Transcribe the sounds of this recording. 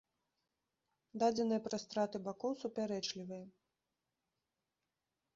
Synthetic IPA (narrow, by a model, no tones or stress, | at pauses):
d̪ad͡zʲɛnɨjɐpɾast̪ɾat̪ɨbakɔwsupʲaɾɛt͡ʂlʲivɨjɐ